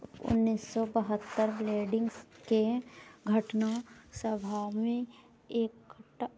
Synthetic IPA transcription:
ʊ̰nːiːsːɔbəɦət̪ːəɾbleːɖɪ̃ŋɡskeɡʱəʈnasəbʱamẽ | eːkɡʱə

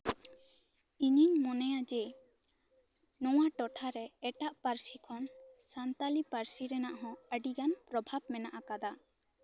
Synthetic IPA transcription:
iɲiɲmɔnɛjad͡ʒɛ | nɔwaʈɔʈʰaɾɛɛʈaʔpaɾsikʰɔnsant̪alipaɾsiɾɛnaʔɦɔ̃əɖiɡanpɾɔbʱab̚mɛnaʔakad̪a

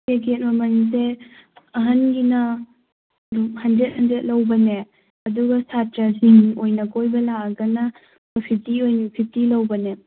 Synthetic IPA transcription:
keɡet̚mɐmɐnis̬eɐɦɐnɡinɐ | ɾuhɐndɾet̚hɐndɾet̚lɐwbɐne | ɐduɡɐsatɾasiŋojnɐkʰojbɐlaɐɡɐnɐ | bɐpʰitiojnipʰitilɐwbɐne

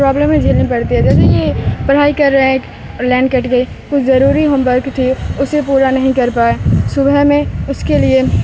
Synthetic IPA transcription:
pɾaːbləmːẽd͡ʒʱeːlnipɐɾt̪iɦɛd͡ʒɛːs̬ejepɐɽ̤aːikɐɾːɐẽk | lɛ̃ːɳɖkəʈɡei | kʊt͡ʃʰzɐɾuːɾiɦə̃mbəɾkt̪ʰiʊsepuːɾanɐɦĩkɐɾpaːesʊbɛmẽʊskelie

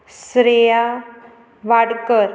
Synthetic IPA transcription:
sɾeja | ʋaɽkəɾ

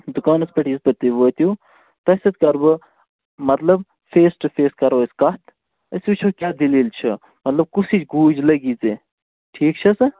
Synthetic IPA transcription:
d̪ukaːnɐspɐʈispɐt̪iʋəːt̪ju | t̪ɐsʲɐt̪̚kɐɾbɨ | mɐt̪lɐb | feːsʈɨfeːskɐɾoːskɐt̪ | ɐsut͡ʃʰuːkʲaːd̪iliːlt͡ʃʰɐ | mɐt̪lɐb̚kusit͡ʃɡuːd͡ʒlɐɡiːt͡se | ʈʰiːkt͡ʃʰɐsɨ

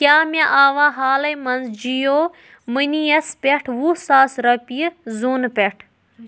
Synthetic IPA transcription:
kjaːmeʔaːʋaːɦaːlɐjmɐnzd͡ʒijoː | mɨnijɐspʲeʈʰʋuːsaːsɾɐpizuːnpʲeʈʰ

